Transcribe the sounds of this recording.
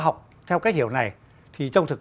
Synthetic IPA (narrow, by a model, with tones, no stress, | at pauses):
ɦa˨˩wk͡p̚ | t̪ʰɛ˧wkaː˦˥k̚hi˧˨əwna˨˩j | t̪ʰi˨˩t͡ɕɔ˧wŋ͡mt̪ʰɨ˨˩k̚